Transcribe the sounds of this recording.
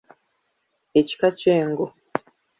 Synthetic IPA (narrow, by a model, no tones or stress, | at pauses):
eci̥kat͡ʃeːŋɡo